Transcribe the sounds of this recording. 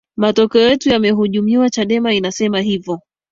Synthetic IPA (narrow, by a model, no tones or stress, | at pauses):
matɔkɛɔjɛtujamɛɦuʄumiwat͡ʃaɗɛmainasɛmaɦivɔ